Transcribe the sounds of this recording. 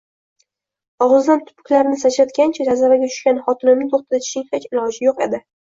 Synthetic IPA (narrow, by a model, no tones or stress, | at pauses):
ɒʁɨzd̪ant̪ʰʊ̥pʊ̥kʲlaɾnɪsat͡ʃat̪kʲant͡ʃʰad͡ʒazaɾaɡʲat̪ʰʊ̥ʃkʲanχɒt̪ʰɪnɪmnɪt̪ʰoχt̪ʰɪd̪at͡ʃ̪ʰɪ̥ʃɪŋʲχet͡ʃʲɪlˠɒʃɪjoqe̞̰d̪ɪ